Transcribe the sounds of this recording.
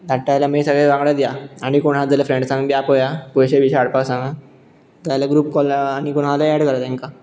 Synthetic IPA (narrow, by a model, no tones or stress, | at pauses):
d̪ʱaʈːajlamisəɡɭeʋãŋɡɽad̪jaaɽ̃ikoɽɦad͡zaljafɾeɳɖsãŋɡbiapojakojɕeʋiɕːɽpawsãŋɡã | d̪ajlaɡɾuːpkɔlaɽ̃ikoɽalaɛɽkəɾat̪ẽŋka